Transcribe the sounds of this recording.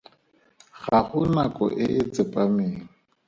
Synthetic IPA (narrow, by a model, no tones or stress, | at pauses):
ɣaχʊnakʼɔ̰ʔɪʔɪt͡sʼɪpʼameːŋ̩